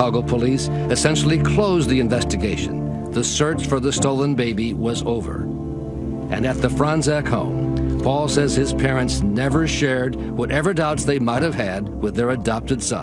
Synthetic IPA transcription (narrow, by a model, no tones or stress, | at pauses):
ɑɡl̩ˠpʰəlis | ɨsɛ̃nʃl̩ˠikʰl̥oʊzðiɨ̃ɱvɛstɨɡeɪʃɨ̰̃n | ðəsɜ˞t͡ʃfə˞ðɨstoʊlˠə̃nbeɪbiwʌzoʊvə̰˞ | ʔɨ̰̃nɨt̪̚ðɨfɹɑ̃nzækhõ̰ʊ̃mpʰɔlˠsɛz̥ɪz̥pʰɛɹɨ̃ntsnɛvə˞ʃɛɹd̚ | wʌɾʔɛvə˞daʊtsðeɪmaɪt̚hɨv̥ɨd̚wɨðə˞ɨdɑp̚tɨdsʌ̰̃